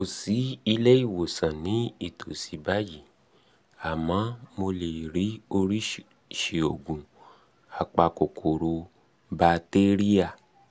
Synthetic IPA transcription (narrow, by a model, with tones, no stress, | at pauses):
o˨si˨˦i˧lɛ˦i˦˨wo˨sã˨nĩ˨˦i˦˨tʰo˨si˨˦ba˦ji˦˨ | a˨mã˨˦mo˧le˨ɾi˨˦o˧ɾi˦ | ʃe˨o˨ɡũ˨ | a˨k͡pa˧ko˨kʰo˨ɾo˧ | ba˧te˦ɾi˦a˦˨